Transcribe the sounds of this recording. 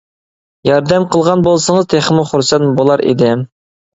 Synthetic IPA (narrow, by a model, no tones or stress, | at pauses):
jɑɾd̪ɛmqʰəlˠʁɑnbolˠsəŋəzt̪ʰeχmʊχuɾsɛnbolˠɑɾḭd̪ɪ